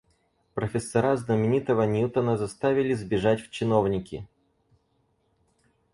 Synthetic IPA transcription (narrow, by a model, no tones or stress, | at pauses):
pɾəfʲɪsːɐɾaznəmʲɪnʲit̪əvənʲut̪ənəzɐst̪avʲɪlʲɪzbʲɪʐatʲft͡ɕɪno̞vnʲɪkʲɪ̰